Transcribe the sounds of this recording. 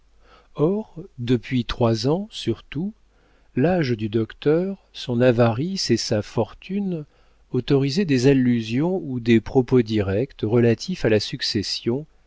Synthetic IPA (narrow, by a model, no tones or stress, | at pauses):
ɔʁd̪əpɥit̪χwazɑ̃syʁt̪u | laʒd̪yd̪ɔkt̪œʁsɔ̃navaʁisesafɔʁt̪ʰyn | ot̪ɔʁized̪ezalːyzjɔ̃ud̪epχɔpod̪iʁɛkt̪ʁəlat̪ʰifalasyksesjɔ̃